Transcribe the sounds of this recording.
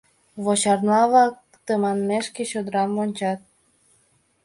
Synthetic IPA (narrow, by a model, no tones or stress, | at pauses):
βot͡ɕɑrnɑβɑk̚ | t̪əmɑnmeʃkeɕod̪ɾɑmːonʲt͡ɕɑt̪̚